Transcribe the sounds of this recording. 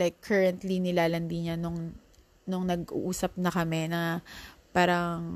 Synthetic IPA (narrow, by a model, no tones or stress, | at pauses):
lajkʰːɛɹɐnt̪linɪlaːlɐnd̪iɲanʊŋ | nʊŋnɐɡʔṵʔuːsɐp̚nɐkɐmɛnɐpaːɾɐŋ